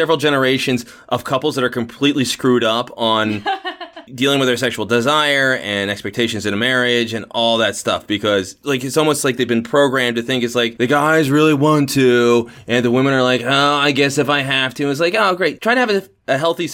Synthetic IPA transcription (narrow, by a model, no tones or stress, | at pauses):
sɛvɹl̩ˠd͡ʒɛnə˞eɪʃɨ̃nz | ʔʌv̥kʰʌpl̩ˠzðəɾə˞kʰɨ̃m̩pʰl̥itˡliskɹʉɾʌpn̩ | dilˠɪ̃ŋwɨðə˞sɛkʃul̩ˠdɨzaɪə˞ɨ̃nɛkspɛk̚tʰeɪʃɨ̃nzɨ̃ñɨmɛɹɪd͡ʒɨ̃nɔlˠðɨtstʌ̰fb̥ɨkʰʌzlaɪkɨtsɔlˠmoʊstlaɪk̚ðeɪvbɨ̃npʰɹ̥oʊɡɹæ̃mtɨθɪ̃ŋkɨtslaɪk̚ðɨɡaɪzɹɪlˠiwɑ̃ntʰʉɨ̃nðəwɪ̃mɨ̃ñə˞laɪkoaɪɡɛsɨfaɪɦæftʰʉɨ̃nɨts̬laɪkoʊɡɹeɪtʰɹ̥aɪɾɨːvɨ | ɨɦɛlˠθi